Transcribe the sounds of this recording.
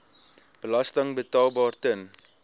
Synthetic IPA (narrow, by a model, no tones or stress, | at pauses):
b̥əlɐstəŋbətɑːlˠbɑːrtən